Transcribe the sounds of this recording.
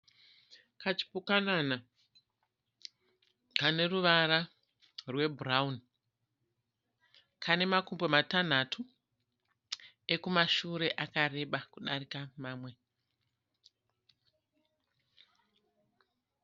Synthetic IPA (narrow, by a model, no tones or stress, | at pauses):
kat͡ʃi̥pukanana | kane̞ruʋaɾa | rwe̞buraun | kʰane̞makumbomatan̤atʰu | ekumaʃuɾe̞ʔakare̞ɓakuɗaɾikamaːmwe̞